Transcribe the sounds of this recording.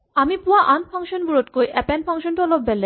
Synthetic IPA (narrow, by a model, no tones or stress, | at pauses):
amipuaʔanpʰɔŋʃonbuɾoʈkojʔɛpɛnpʰɔŋʃonʈɔlobbɛlːe